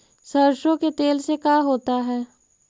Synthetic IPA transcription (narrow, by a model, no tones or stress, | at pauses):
səɾʃõket̪eːlsekaːɦoːt̪aɦɛː